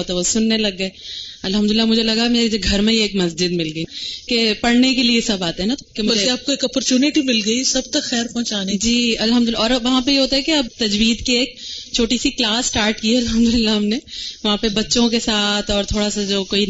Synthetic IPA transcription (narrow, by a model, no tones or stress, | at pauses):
oːt̪ɛosʊnːelɐɡːɐeɐlɦɐmd̪ʊlɪlːamʊd͡ʒʱelɐɡameːɾed͡ʒɡʱɐɾmẽeːkmɐsd͡ʒɪd̪mɪlɡɐikepɐɽnekeliesɐbaːt̪ɦɛ̃nat̪kemʊɐd͡ʒeeaːp̚koeːkɔpɔɾt͡ʃuːnɪʈimɪlɡɐisɐb̚t̪ɐkxɛːɾpɔ̃ɦʊ̃t͡ʃaːned͡ʒiːɐlɦɐmd̪ʊlɪɔːɾʋɐɦãpejeɦoːt̪aɦɛkeɐb̚t̪ɐd͡ʒwiːd̪kieːk̚t͡ʃʰoːʈisiklaːsːʈaːɾʈkiɛɐlɦɐmd̪ʊlɪlːaɦɐmneʋɐɦãpebɐtːʃõk̬esaːt̪ʰɔːɾt̪ʰoːɽasad͡ʒoːkoːi